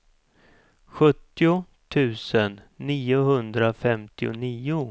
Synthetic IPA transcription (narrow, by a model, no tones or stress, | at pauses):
ɧɵt̪ːɪʊ | t̪ʰʉ̟ːsənːiːʊɦɵnd̪ɾafɛmt̪ɪʊ̰niːʊ